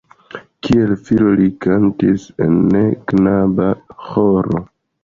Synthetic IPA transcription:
kʰie̞lfilolikantise̞̰nːeknabahoɾo̞̰

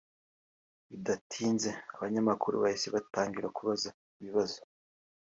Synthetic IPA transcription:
idatʰiːnze̞aβaɲamakuɾṵβajiseβataːŋɡiɾakuβaza | iβiβazo

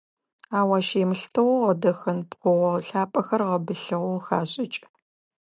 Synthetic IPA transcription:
aːwaːʃeːmɨɬtʰɐwʁɐdɐxɐnpχʷʊʁɐɬaːpʼɐxɐrʁɐbɨɬɐʁʊxaːɕʼɪt͡ʃʼ

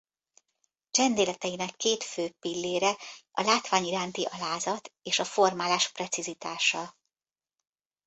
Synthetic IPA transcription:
t͡ʃɛnd̪eːlɛt̪ɛjinɛkːeːt̪føːpilːeːɾɛʔɒlaːt̪ʋaːɲiɾaːnt̪iʔɒlaːzɒt̪eːʃɒfo̞rmaːlaːʃprɛt̪sizit̪aːʃɒ

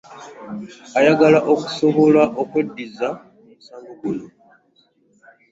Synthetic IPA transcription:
ajaɡalaʔo̞ku̥so̞βo̞laʔo̞kwe̞dːiza | umusaːŋɡoɡuno

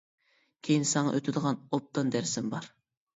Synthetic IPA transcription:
kʲʰejinsɑŋɑ̰ʔøt̪ʰɪd̪əʁɑnop̚t̪ɨnd̪æɾsɪmbɑɾ

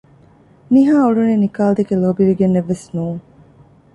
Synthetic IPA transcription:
miɦaːuɖunenikaːld̪ekeloːbiʋiɡenːeʋːesnuːŋ

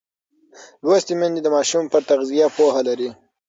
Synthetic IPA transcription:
lwast̪imand̪id̪əmɑʃumpəɾt̪aɣzijapoɦalaɾi

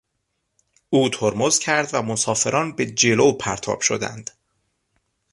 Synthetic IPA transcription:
uːt̪ʰoɾmozcʰæɾd̪væmosɒːfe̞ɾʔɒːnbe̞d͡ʒe̞lopʰæɾt̪ʰɒ̰ːb̥ʃod̪æ̰nd̪̥

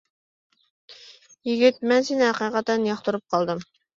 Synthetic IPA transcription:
jiɡʲit̪̚mɛnsenɪhæqiːqɑt̪ːɛnijɑχt̪uɾup̚qʰɑlˠd̪ɨm

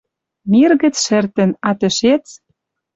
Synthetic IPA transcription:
mirɣə̆t͡sʃɘ̆rt̪ə̆nɑt̪ɘ̆ʃet͡s

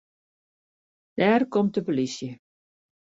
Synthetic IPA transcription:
d̥æːrkɔmt̚dəpolisjə

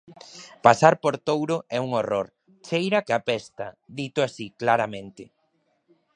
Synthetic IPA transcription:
pasaɾpoɾt̪owɾʊɛuŋoroɾ | t͡ʃejɾakeapɛst̪aðit̪ʊasiklaɾamẽnt̪ɪ

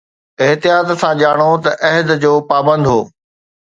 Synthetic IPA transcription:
ɪɦt̪ijaːt̪sãʄaːɽ̃ot̪ɐʔɛɦɪd̪d͡ʑoːpaːbə̃nd̪ɦo̰ː

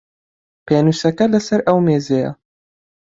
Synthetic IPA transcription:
peːnuːsɐkɐlɐsɐɾɐwmeːzejɐ̰

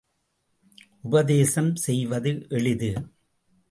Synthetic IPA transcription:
ʔʊbɐðeːsɐmsɛjʋɐðɯʔɛɭɪðɯ

